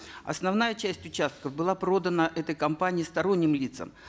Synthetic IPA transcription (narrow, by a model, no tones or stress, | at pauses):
ɐ̰snɐvnajət͡ɕæsʲtʲʊt͡ɕast̪̚kəvbɨlˠapɾo̞d̪ənəʔɛt̪əjkɐmpanʲɪːst̪ɐɾo̞nʲːɪmlʲit̪sə̰m